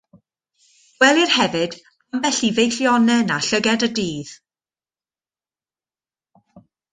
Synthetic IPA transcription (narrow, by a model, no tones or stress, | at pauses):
wɛlˠirhɛvɨd̥ | amvɛɬivejɬjɔnɛnaɬəɡɛdədiːð̥